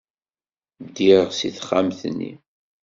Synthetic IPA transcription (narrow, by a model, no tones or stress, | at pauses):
d̪iɾʁsiθχamθnːḭ